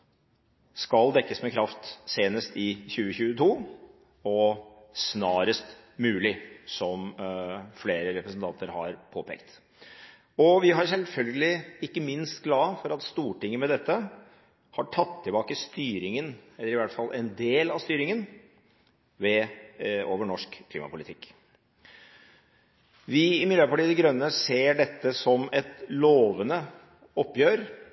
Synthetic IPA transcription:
skɑld̪ɛkːəsmɛkʰɾɑft̪seːnəst̪ɪçʉːəçʉːət̪ʰuː | ɔ | snɑːɾəst̪ | mʉːlɪsɔm | fleːɾəɾɛpɾəsənt̪ʰɑnt̪əɾhɑ̰ɾpʰoːpʰḛːkt̪ | ɔʋɪɦɑɾsɛlfœlɡəlɪɪkːəmɪnst̪ɡlɑːfɔɾɑt̪st̪uːʈɪŋːəmɛd̪ɛt̪ːə | hɑʈʰɑt̪ʰːɪlbɑːkəst̪yːɾɪŋənɛlːəɾɪʋæʈfɑlːʔɛnd̪eːlɑst̪yːɾɪŋən | ʋɛ | oːʋəɳɔʂkʰːlḭːmɑ̰pʊlɪt̪ʰɪkː | ʋɪɪmɪəɾpʰɑʈiːd̪ɛɡɾœnːəseːɖɛt̪ːəsɔmɛt̪loːʋənə | ɔpːjøːɾ

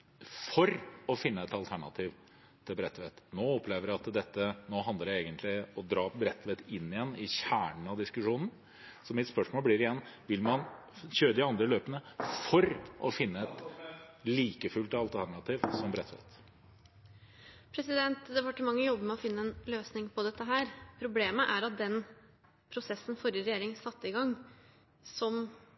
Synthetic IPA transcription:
fɔɾɔfɪnːəɛt̪ɑlt̪ʰæɳɑ̰t̪ʰiːʋ | t̪ʰɪlbɾɛt̪ːʋeːt̪noːɔpʰleːʋəɾæɑt̪d̪ɛt̪ːənoːɦɑnd̪əɾæeːɡənt̪ʰlɪɔd̪ɾɑːbɾɛt̪ʰːʋet̪ɪnːɪjɛnːɪçæːɳəɳ̩ɑd̪ɪskʉʂuːnn̩ | sɔmɪt̪spœʂmoːlblɪːɾɪjɛnːʋɪlmɑn | çøːɾəd̪ɪɑnd̪ɾəløːpənəfɔɾʔɔfɪnːəɛt̪liːkəfʉlt̪ɑlt̪ʰæɾɳɑt̪ʰɪʋsɔmbɾɛt̪ʋɛ̰t̪ | pʰɾɛsɪd̪ɛnt̪d̪ɛʋɑʈːɪmɑŋːəjɔbːəmɛɔfɪnːəɛnløːsnɪŋpʰɔd̪ɛt̪ːəɦæːɾpʰɾʊbleːməʔæɾɑt̪̚d̪ɛn | pʰɾʊsɛsːən̩fɔɾəɾɛjeːɾɪŋsɑt̪ːəɪɡɑŋː | sɔm

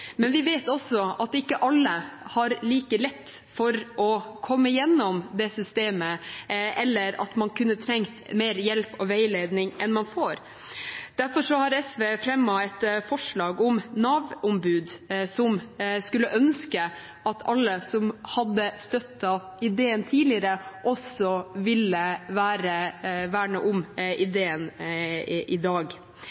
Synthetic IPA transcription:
mɛnʋɪʋeːt̪ɔsɔɑt̪ɪkːəʔɑlːəhɑɾliːkəlɛt̪ːfɔɾʔɔkʰɔmːəɪjɛnːɔmd̪ɛsʏst̪eːməʔɛlːəɾɑ̰t̪mɑnkʰʉnːət̪ʰɾɛŋt̪meːɾjɛlpɔʋæɪleːd̪nɪŋʔɛnmɑnfoːɾ | d̪̥æɾfɔɾʂɔhɑɾɛsʋeːfɾɛmːɑɛt̪fɔʂɭɑːɡɔmnɑːʋɔmbʉːd̪sɔmskʉlːəʔœnskə | ʔɑt̪ʰɑlːəsɔmhɑd̪ːəst̪œt̪ːɑ | ɪd̪eːənt̪ʰiːlɪəɾəʔɔsɔʋɪləʋæːɾəʋæːɳəʔʊmʔɪd̪eːən | ɪd̪ɑːɡ

